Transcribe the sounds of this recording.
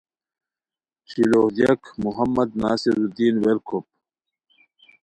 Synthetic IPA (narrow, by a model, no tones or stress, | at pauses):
t͡ɕiloːhd̪ijɐkmuɦɐmːɐd̪naːsiɾud̪iːnweɾkʰop̚